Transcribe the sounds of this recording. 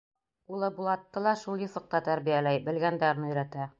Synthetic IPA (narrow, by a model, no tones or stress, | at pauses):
ulˠɤbulˠɑt̪ːɤlˠɑʃulˠjɤ̆θɤ̆q̚t̪ɑt̪æɾbijælæjbɘ̆lɡænd̪æɾnɤ̆ɵ̆jɾæt̪æ